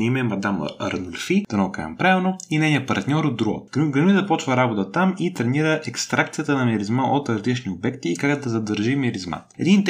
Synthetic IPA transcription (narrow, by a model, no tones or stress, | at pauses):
imɛmɐd̪amɐ̰ɾnolʲfid̪ɐnoka̰jɐ̰mpɾaɛlnoinɛnʲiəpɐɾt̪nʲɔɾod̪ɾuɡo̰t̪ɡɐmʲizɐpɔt͡ʃvəɾabot̪ət̪amit̪ɾɛniɾəʔɛkst̪ɾʔakt̪sijət̪ənɐmiɾizmaʔot̪ɾɐzlit͡ʃniobɛkt̪iːkakd̪ɐzɐd̪əɾʒimiɾizma̰ | ɛd̪int̪